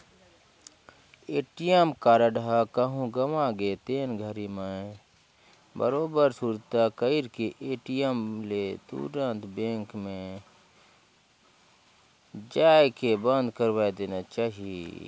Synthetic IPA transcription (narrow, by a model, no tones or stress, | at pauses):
eːʈijəmkaːɾəɖakəɦũɡəʋãɡet̪eːnɡʱəɾimẽ | bə̰ɾoːbəɾsuɾt̪akəɪɾkeʔeːʈijəmlet̪ṵɾə̃nt̪bẽːŋkmẽ | d͡ʒaːjkebə̃nd̪kəɾʋaːed̪eːnat͡ʃaːɦiḛ